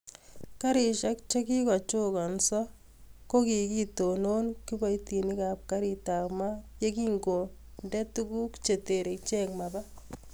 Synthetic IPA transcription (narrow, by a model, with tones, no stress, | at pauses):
ka˦ɾi˨ʃa˦kt͡ʃe˦ki˦kɔ˨t͡ʃo˦kɔ˨nsɔ˦ | ko˦ki˨ki˦to˨no˦nki˦ba˦jti˨ni˦ka˨p̚ka˦ɾi˨ta˨kma˦je˦ki˦ŋɡo˨ | ndɛ˦tu˦ku˦kt͡ʃe˨te˨ɾe˨t͡ʃɛ˦kma˨ba˦